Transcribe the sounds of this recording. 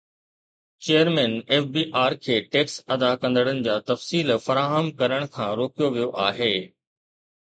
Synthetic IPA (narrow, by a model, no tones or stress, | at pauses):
t͡ɕeːjəɾmɛ̃ːneːfbiːʔaːɾkʰeːʈeːksɐd̪akɐ̃nd̪əɽənɪ̆d͡ʑaːt̪ɐfsiːlfɐɾaːɦəmkɐɾəɽ̃kʰãːɾoːkijoʋijoʔaːɦeː